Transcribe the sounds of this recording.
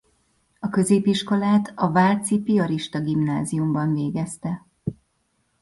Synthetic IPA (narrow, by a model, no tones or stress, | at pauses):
ɒkø̞zeːpiʃko̞laːt̪ɒvaːlt̪sipiɒɾiʃt̪ɒɡimnaːzijumbɒɱveːɡɛst̪ɛ